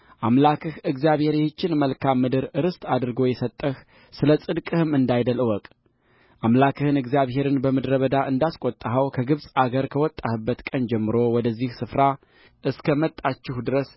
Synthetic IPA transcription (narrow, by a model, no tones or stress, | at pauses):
ʔamlakʰɨhɨɡzjaβhe̞ɾjɛhɨt͡ʃːɪnməlkʰamːɨd̪ɨɾɨɾɨst̪ʼad̪ɾɨɡo̞jɛsət̪ʼːəh | sɨləsʼɨd̪kʼɨhɨmɨnd̪ajd̪əlɨwɔkʼ | ʔamlakʰɨhɨnɨɡzijaβɦe̞ɾɨnbəmɨd̪ɾəβəd̪aʔɨnd̪askʷʼot̪ʼːaɦəwkʰəɡɨβsʼaɡəɾkʰəwɔt̪ʼːahɨbːət̪kʼənd͡ʒɛmːɨɾo̞wɔd̪əzːihsɨfɾa | ʔɨskʰəmət̪ʼːat͡ʃːɪhd̪ɨɾəs